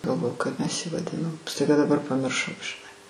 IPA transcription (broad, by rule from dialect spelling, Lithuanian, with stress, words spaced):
ɡɐlˠˈʋoːjʊ kɐɪp mʲɛs jɪ ʋɐˈdʲɪnoːm stɐɪˈɡɐ dɐˈbɐr pɐmʲɪrˈʃɐʊ ʒʲɪˈnɐɪ